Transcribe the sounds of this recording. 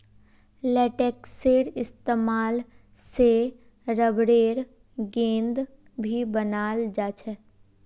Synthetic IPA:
lɛːʈeːkseːɾɪst̪eːmaːl | se | ɾəbɾeːɾ | ɡẽːnd̪ | bʱibənaːld͡ʒaːt͡ʃʰɛ

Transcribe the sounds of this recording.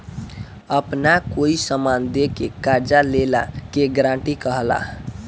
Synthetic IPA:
əpnakoisəmand̪ekekaɾd͡ʒalela̰keɡɾãɳʈikəɦəla̰

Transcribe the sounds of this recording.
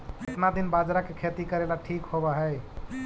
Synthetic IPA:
et̪nad̪inbad͡ʒɾakekʰet̪ikəɾelaʈʰikɦobəɦəj

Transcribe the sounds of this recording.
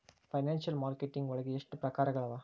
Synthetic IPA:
fɐɪnaːnsɐlmaːɾkɛʈːɪŋɡʋɔɻɐɣɯɛʂʈrɯpɾɐkaːɾɐɣɐɭɐʋaː

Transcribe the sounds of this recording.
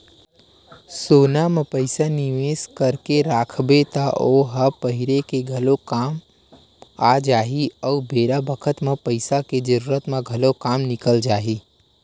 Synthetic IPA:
soːnamẽpəɪsaniʋeːskəɾkeɾaːkʰbet̪aʔoɦəpəɦɪɾekeɡʱɐlokaːm | ad͡ʒaːɦiəubeːɾabəkʰət̪mẽpəɪsaked͡ʒəɾuːɾət̪mẽɡʱəlokaːmnɪkəld͡ʒaːɦi

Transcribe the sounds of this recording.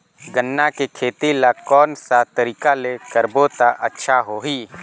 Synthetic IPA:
ɡənːakekʰeːt̪ilakɔːnsat̪əɾiːkalekəɾbot̪aʔətːʃʰaɦoːɦiː

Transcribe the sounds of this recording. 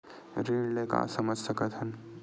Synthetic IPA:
ɾeɖleka̰səməd͡ʒʱsɐkət̪ɦən

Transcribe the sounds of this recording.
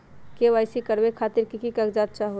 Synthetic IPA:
keʋajsikəɾbekʰaːt̪iɾkikikəɡd͡ʒat̪̚t͡ʃaɦo

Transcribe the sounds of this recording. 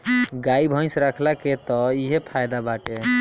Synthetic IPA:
ɡaibʱə̃j̃sɾəkʰlaket̪ɔiɦepʰajd̪abaʈe

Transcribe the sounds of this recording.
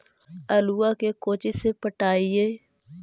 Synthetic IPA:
əluːaːkekoːt͡ʃesepəʈaːieː

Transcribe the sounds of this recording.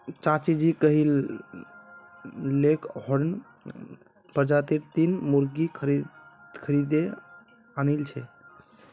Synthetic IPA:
t͡ʃat͡ʃid͡ʒikəɦil | ekɦɔɾn | pəɾd͡ʒat̪iɾt̪inmuɾɡikʰəɾd̪kʰəɾid̪e | anilt͡ʃʰɛ

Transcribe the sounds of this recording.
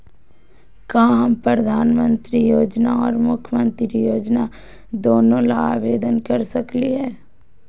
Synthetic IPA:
kãːɦɐmpɾəd̪ʱaːnmə̃nt̪ɾijoːd͡ʒnaɔːɾmʊkʰjəmə̃nt̪ɾijoːd͡ʒna | d̪oːnõla̰a̰ːʋeːd̪ənkɐɾsɐkliɦɛː

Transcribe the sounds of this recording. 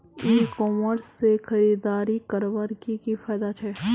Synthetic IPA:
iːkɔːməɾsːexɐɾiːd̪aːɾikəɾʋəɾkikifʰaːd̪at͡ʃʰɛː

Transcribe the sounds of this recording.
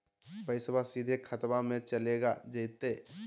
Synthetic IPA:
pəɪsbasiːd̪ʱekʰət̪mamẽt͡ʃəleːɡad͡ʒəɪt̪e

